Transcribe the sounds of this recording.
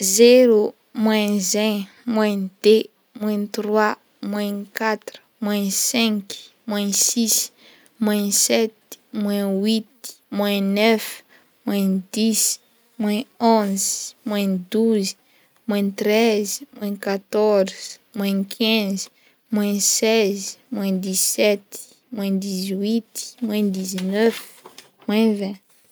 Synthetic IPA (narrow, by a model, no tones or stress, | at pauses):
zeɾu | mwɛ̃zɛ̃ | mwɛ̃d̪̥e | mwɛ̃t̪rwa | mwɛ̃kat̪ɾu̥mwɛ̃sɛ̃k | mwɛ̃sis | mwɛ̃sɛt̪mwɛ̃wit̪i̥ | mwɛ̃nɛf | mwɛ̃d̪is | mwɛ̃õzmwɛ̃d̪uz | mwɛ̃t̪ɾɛzmwɛ̃kat̪ɔɾz̥mwɛ̃kʰɛ̃zi̥ | mwɛ̃sɛzmwɛ̃d̪isɛt̪i̥ | mwɛ̃d̪izwit̪i̥mwɛ̃d̪iznøf | mwɛ̃vɛ̃